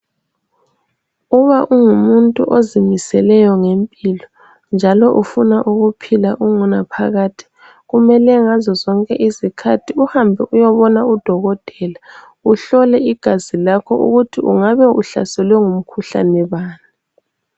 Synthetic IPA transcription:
uβaʔuŋumuntʼuʔozimisɛlɛjɔŋempʼilɔ | nd͡ʒʱalɔʔufunaʔuɣupʰilaʔuŋunapʰaɣaːtʰi̥ | ɣumɛlɛŋazɔzɔŋkʼɛʔizikʰatʰiuhambʱɛʔujɔβɔnaud̥ʱɔɣɔtʼɛla | uɬɔlɛiɡ̥ʱazilakʰɔʔṵɣutʰiʔuŋaβɛuɬa̰sɛlwɛŋum̩kʰuɬa̰nɛβaːna

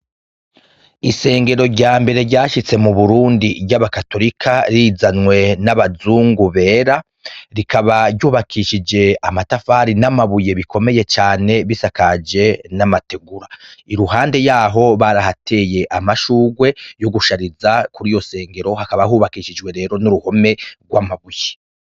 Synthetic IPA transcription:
ise̞ːŋɡe̞ɾo̞ɾɟaːmbe̞ɾe̞ɾɟaːʃit͡se̞muβuɾuːndiβɟaβakato̞ɾikʰaɾiːzanwe̞naβazuːŋɡuβe̞ːɾa | ɾikaβaɾɟuːβakʰiʃid͡ʒe̞amatafaːɾinamaβuje̞βiko̞me̞je̞t͡ʃaːne̞βisakad͡ʒe̞namate̞ɡuɾaiɾuɦaːnde̞jaːɦo̞βaɾahatʰe̞je̞ʔamaʃuːɡwe̞jo̞ɡuʃaɾizakuɾijo̞se̞ːŋɡe̞ɾo̞hakaβaɦuːβakiʃid͡ʒwe̞ɾe̞ːɾo̞nuɾuho̞me̞ɡwamaβuje

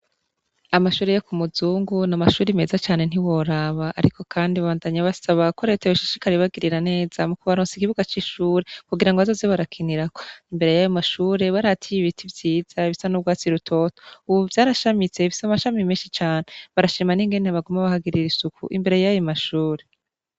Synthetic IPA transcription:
amaʃuːɾejokumuzuːŋɡunamaʃuːɾime̞zat͡ʃaːne̞n̥iwo̞ɾaβaʔːɾiko̞kʰaːndiβaβaːndaɲaβasaβakoɾeteβuʃḁʃi̥kaɾeβaɡiɾiɾane̞ːz̥amukuβaɾonsikiβuɡat͡ʃiʃuːɾe̞kuɡiɾaŋɡazozeβaɾakʰiniɾakoimbe̞ɾe̞jajomaʃuːɾe̞βaɾatʰijiβitʰivjiːz̥aβisanubɡwaːt͡siɾutʰo̞to̥uβuvjaːɾaʃamit͡se̞βisamaʃamimiːnʃit͡ʃaːneβaɾaʃimaniŋɡe̞neβaɡumaβahaɡiɾiɾisukʰṵʔḭmbe̞ɾe̞jajomaʃuːɾe

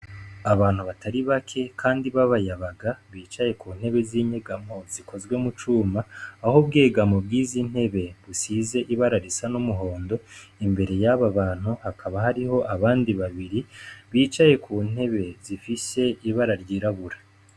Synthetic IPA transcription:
aβaːn̥uβatʰaɾiβakʰe̞kʰaːndiβaβajaβaɡaβiːt͡ʃaje̞kuːnhe̞βe̞ziːɲeɡamo̞ziko̞zɡwe̞mut͡ʃuːmaːhobɡe̞ːɡamo̞bɡiːzin̥he̞βe̞βusize̞ʔiβaɾaɾisanumuɦo̞ːndo̞imbe̞ɾe̞jaβaβaːn̥uhakʰaβahaɾiho̞ʔaβaːndiβaβiɾiβiːt͡ʃaje̞kuːn̥he̞βe̞zifise̞iβaɾaɾjiɾaβuɾḁ

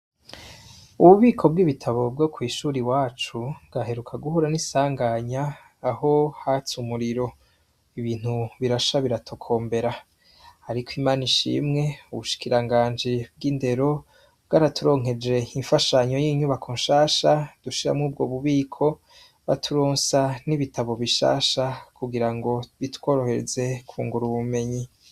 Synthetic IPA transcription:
uβuβiːkʰo̞b̚ɡiβitʰaβo̞b̚ɡo̞kwiːʃuːɾiwaːt͡ʃuɡaɦe̞ɾukʰaɡuhuɾanisaːŋɡaɲaː | ho̞hat͡sumuɾiɾo̞ | iβiːn̥huβiɾaʃaβiɾatʰokʰo̞ːmbe̞ɾa | haɾikʰwiːmaːniʃḭmŋe̞uβuʃi̥kiɾaŋɡaːnd͡ʒib̚ɡiːnde̞ɾo̞ | b̚ɡaːɾatuɾo̞ːŋ̥e̞d͡ʒe̞iɱfaʃaɲo̞jiːɲuβakʰoːnʃaːʃad̥uʃiɾa̰mŋuːbɡo̞βuβiːkʰo̞ | βa̰tʰuɾoːnsaniβitaβo̞βiʃa̰ːʃakuɡiɾaŋɡo̞βitwo̞ːɾo̞he̞ze̞kʰṵːŋɡuɾuβume̞ɲi

